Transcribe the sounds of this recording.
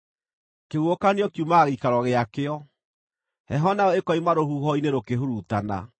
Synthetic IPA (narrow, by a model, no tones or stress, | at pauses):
keɣuokaneɔkjumaɣikaɾɔɣeakeɔ | hɛ̰ɦɔnaɔekɔimaɾohuɦɔineɾokeɦoɾutana̰